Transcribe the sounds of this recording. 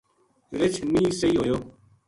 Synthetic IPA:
ɾɪt͡ʃʰmĩːsəiːɦoːjoː

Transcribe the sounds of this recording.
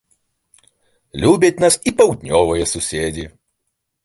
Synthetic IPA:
lʲuːbʲɛt̪ʲnɐsipɐʊd̪ʲnʲoːʋojɛsʊsʲeːd̪ʲi

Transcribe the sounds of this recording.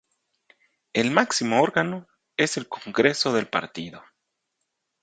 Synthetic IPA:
elmaksimoo̞ɾɣano | e̞se̞lkoŋɡɾeso̞ðe̞lpa̰ɾt̪iðo

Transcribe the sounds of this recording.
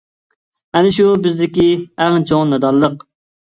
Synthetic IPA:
ɛnɪʃubɪzd̪ɪkʲiæʁnt͡ʃʰoŋnɛd̪ɑlˠːəq

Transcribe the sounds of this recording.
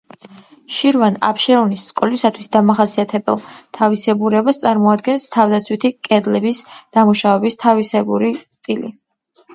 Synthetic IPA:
ʃiɾvana̰pʰʃɛɾɔnisːkʼɔlisat̪ʰwisd̪amaχasiat̪ʰɛbɛ̰lˠt̪ʰavisɛbuɾɛbast̪sʼaɾmɔad̪ɡɛnst̪ʰavd̪at̪sʰwit̪ʰikʼɛd̪lɛbisd̪̥amuʃavɛbist̪ʰavisɛbuɾit̪sʼt̪ʼilḭ

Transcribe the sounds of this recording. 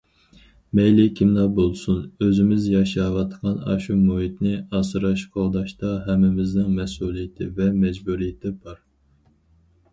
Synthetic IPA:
mɛjlɪkʲʰimlɑbolˠsunøzɪmɪzjɑʃɑʁɑt̪ʰqʰɑnɑ̰ʃumoɦit̪nɪɑsɨɾɑʃqʰɑlˠd̪ɑʃt̪ɑɦɛmːɪmɪznɪŋmɛsulˠijɪt̪ʰɪ̰vɛmɛd͡ʒbuɾijɪt̪ʰɪbɑɾ

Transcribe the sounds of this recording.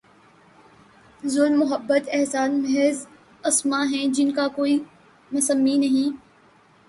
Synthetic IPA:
zʊlmːʊɦəbːət̪ɛɦsaːnmɛɦɛz | ɐsmaɦɛ̃d͡ʒɪnkakoːi | mɐsəmːinɐɦĩː

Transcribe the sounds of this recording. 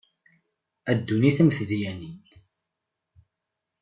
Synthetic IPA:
æd̪ːuniθəmθðjænin

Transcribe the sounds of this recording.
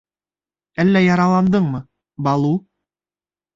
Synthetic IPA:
ælːæjɑɾɑlˠɑnd̪ɤɴmɤ | bɑlˠu

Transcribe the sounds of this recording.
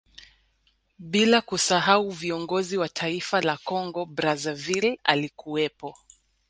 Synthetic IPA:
ɓilakusaɦauviɔŋɡɔziwatʰaifalakɔŋɡɔbɾazavila̰likuɛpɔ

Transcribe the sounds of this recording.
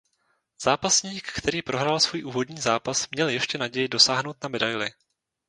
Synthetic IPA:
z̥aːpasɲiːkːt̪ʰɛɾiːpɾo̞ɦɾalsv̥uːjʔuːvo̞dɲiːzaːpasmɲɛljɛʃcɛnaɟɛjɪdo̞saːɦnowt̪namɛdajlɪ̰

